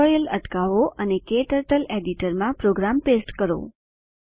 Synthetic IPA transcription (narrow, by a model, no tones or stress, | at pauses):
ɔɾjələʈkaʋoʔənekeʈəɾʈəleɖiʈəɾmãpɾoɡɾampesʈkəɾo̰